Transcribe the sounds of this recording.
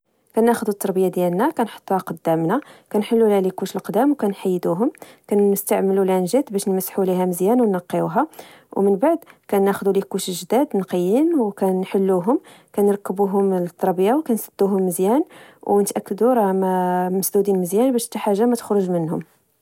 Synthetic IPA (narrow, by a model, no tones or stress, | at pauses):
kænːæxəd̪ut̪ˤːɑɾˤbəjad̪jælnækænħo̥t̪ˤːuhæqɑd̪ːæmnakænħəlːulælikuʃəlqd̪æmwkænħajːd̪uɦʊmkænːəst̪aʕməlulanʒæt̪bæʃnmæsːħuliɦæməzjænwnːɑqːiuɦæ | wmənbaʕd̪kænːæxd̪ulikuʃəlʒd̪æd̪nqəjːinwkænħəlːuɦʊm | kænɾˤɑkːəbuɦʊmlt̪ʰˤːɑɾˤbəjawkænsəd̪̥ːuɦʊmːəzjænwnət̪ʔækːəd̪uɾˤɑmæməsd̪ud̪inməzjænbæʃt̪ːæħaʒːamæt̪ə̥xɾʊʒmənhʊ̰m